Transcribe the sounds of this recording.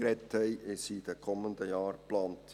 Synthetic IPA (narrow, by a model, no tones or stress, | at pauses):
ɾɛthɛɪʔɪsid̥ɛkʰɔməndəjɑːɾplɑːnt